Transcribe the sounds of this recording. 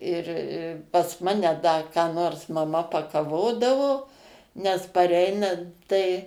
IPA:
ˈɪr ɪ pɐs ˈmɑːnʲɛ ˈdɐ kɑː ˈnoːrs mɐˈmɐ pɐkɐˈʋoːdɐʋoː nʲɛs pɐˈrʲɛɪnɐnt tɐɪ

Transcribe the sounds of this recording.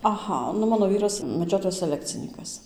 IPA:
ɐˈɣɐ nʊ ˈmɑːnoː ˈʋʲiːrɐs mʲɛˈd͡ʒʲoːtoːjɛs sʲɛˈlʲæːkt͡sʲɪnʲiːkɐs

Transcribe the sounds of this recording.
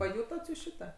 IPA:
pɐˈjʊtoːt juːs ˈʃʲɪtɐ

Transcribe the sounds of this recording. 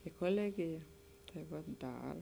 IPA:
ɪ koːˈlʲæːɡʲɪjɛ tɐɪ ˈʋɐ ˈdɐr

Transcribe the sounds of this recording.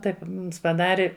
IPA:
ˈtɐɪp pɐˈdɑːrʲɪ

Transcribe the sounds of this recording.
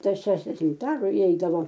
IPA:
ˈtɐs ˈʃʲæːʒʲdʲɛʃʲɪmt ˈɑːrʊ ɪˈɛɪdɐʋoː

